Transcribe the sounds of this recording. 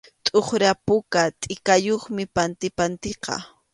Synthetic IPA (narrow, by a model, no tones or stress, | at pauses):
t̪ʼoχɾapʊkat̪ʼɪkajoχmɪpant̪ɪpant̪eqɑ̰